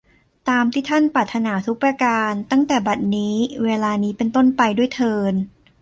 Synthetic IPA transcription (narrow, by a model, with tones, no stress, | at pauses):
t̪aː˧mt̪ʰiː˥˩t̪ʰa˥˩npɾaː˨˩t̪ʰːa˧naː˩˦t̪ʰu˦˥pːɾa˧kaː˧nt̪a˥˩ŋt̪ɛː˨˩ba˨˩t̪̚niː˦˥weː˧laː˧niː˦˥pe˧nt̪o˥˩npa˧jdu˥˩əjt̪ʰɤː˧n